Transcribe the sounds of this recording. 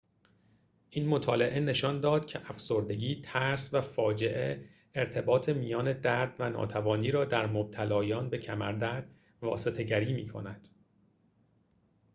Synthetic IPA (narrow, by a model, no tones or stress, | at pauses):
ʔiːnmo̞t̪ʰɒːle̞ʔe̞ne̞ʃɒnd̪ɒːd̪̥cʰe̞ʔæfso̞ɾd̪e̞ɟiːt̪ʰæɾsvæfɒːd͡ʒe̞ʔeː | ɾt̪ʰe̞bɒːt̪ʰe̞mijɒːne̞d̪æɾd̪̥vænɒ̰ːt̪ʰævɒːniːɾɒːd̪æɾmob̥̚t̪ʰælɒːjɒːnbe̞cʰæmæɾd̪æɾd̪̥ | vɒ̰ːse̞t̪ʰe̞ɟæɾiːmḭːkʰo̰næd̪̥